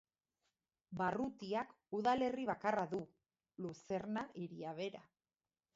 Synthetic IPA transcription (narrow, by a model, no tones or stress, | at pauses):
barut̪iak | uðale̞riβ̞akaraðu | luse̞ɾnaʔiɾiaβ̞e̞ɾa